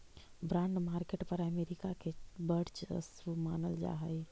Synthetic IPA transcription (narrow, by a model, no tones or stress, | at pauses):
bɾãːɳɖmaːɾkeʈpəɾəmeːɾikakebəɽt͡ʃsmaːnəld͡ʒa̰ːɦəj